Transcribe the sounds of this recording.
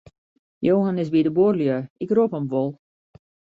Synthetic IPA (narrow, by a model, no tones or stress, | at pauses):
joːɦanɪsbidəborljøɪkropəmʋolˠ